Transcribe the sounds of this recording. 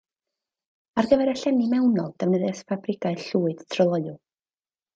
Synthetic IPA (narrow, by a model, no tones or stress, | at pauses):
arɡəvɛɾaɬɛnimɛwnɔlˠd̥ɛvnəðɛsfabrɪɡaɨɬuːɨd̥tʰrɔlˠɔɨʊlˠ